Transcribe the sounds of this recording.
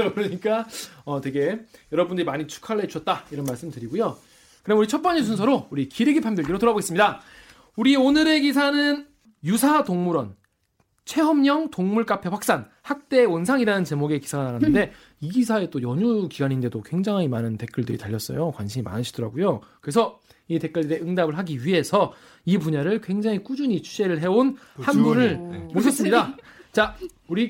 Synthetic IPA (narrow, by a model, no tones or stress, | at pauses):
kɯɾʌɲik͈aʌtwe̞ɡe̞jʌɾʌbundɯɾimaɲit͡ɕʰu̥kʰaɭːet͡ɕʰuʌt̚t͈aiɾʌnmaɭs͈ɯmɭtɯɾiɡujo | kɯɾemuɾit͡ɕʰʌp̚p͈aɲis̬ʰunsʰʌɾouɾikiɾeɡipʰamdeɭɡiɾotoɾaboɡe̞s͈ɯmɲida | uɾionɯɾe̞ɡisʰanɯn | jusʰatoŋmuɾʌn | t͡ɕʰe̞ɦʌmɲʌŋtoŋmuɭk͈apʰeɸak̚s͈an | hak̚t͈e̞onsʰaŋiɾanɯnt͡ɕe̞moɡe̞ki̥sʰaɡanaɾanɯnde̞ | iɡisʰae̞t͈ojʌɲukiɡaɲinde̞dokwe̞ŋd͡ʑaŋimanɯnte̞k͈uɭdɯɾitaʎːʌs͈ʌ̰jokwanɕʰimima̰nɯɕʰidʌɾaɡujokɯɾe̞sʰʌ | ite̞k͈ʌɭdɾe̞ɯŋdabɯɭɦaɡiɥiɦe̞sʰʌ | ipuɲaɾɯɭkwe̞ŋd͡ʑaŋik͈ud͡ʑuɲit͡ɕʰu̥ɕe̞ɾɯɭɦe̞on | hanbunɯɭmoɕʰʌs͈ɯmɲidat͡ɕa | uɾi